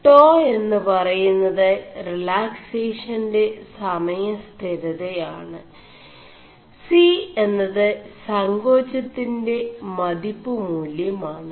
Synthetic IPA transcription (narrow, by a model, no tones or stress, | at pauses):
ʈoːe̞nːɨpɐrɐjunːɐðɨrilaːkseːʂɐnde̞sɐmɐjɐst̪ʰiɾɐðɐjaːɳɨ | sie̞nːɐðɨsɐŋɡo̞ːt͡ɕːɐt̪ːinde̞mɐd̪ipːɨmuljɐmaːɳɨ